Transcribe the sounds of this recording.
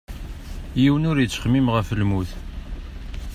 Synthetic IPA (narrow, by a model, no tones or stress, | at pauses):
jiwənʊɾjət͡sːə̥χmimʁəflmuθ